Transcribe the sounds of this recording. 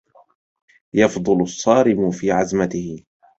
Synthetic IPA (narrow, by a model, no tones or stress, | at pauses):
jɑfd̪ˤʊlʊsˤːɑːɾɪmʊfiːʕazmat̪ɪhɪ